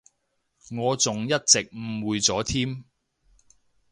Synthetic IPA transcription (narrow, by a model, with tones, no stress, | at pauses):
ŋɔː˨˧t͡sʊ˨ŋjɐ˥t̚t͡sɪ˨k̚m̩˨˩wuː˨˧jt͡sɔː˨˥t̪ʰiː˥m